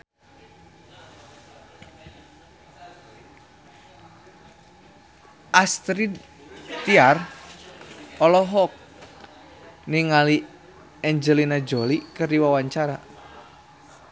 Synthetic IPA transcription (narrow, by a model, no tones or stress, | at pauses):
ʔast̪ɾi | t̪iar | ɔlɔɦɔk̚ | niŋali | ɛɲd͡ʒəlinad͡ʒolikərdiwawaɲt͡ʃaɾa